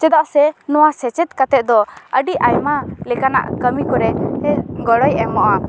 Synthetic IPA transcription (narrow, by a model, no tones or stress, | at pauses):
t͡ʃɛd̪aʔsɛnɔwasɛt͡ʃɛt̪̚kat̪ɛt̪̚d̪ɔəɖiʔajmalɛkana̰ʔkəmikɔɾɛɛɡɔɽɔjɛmɔʔa